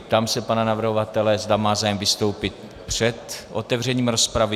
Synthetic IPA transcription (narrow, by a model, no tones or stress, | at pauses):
pt̪aːmsɛpananavr̩ɦovat̪ɛlɛzd̪amaːzaːjɛmvɪst̪owpɪt̪̚ | pr̝̥ɛt̪ʔo̞̰t̪ɛvr̝ɛɲiːmɾo̞spɾavɪ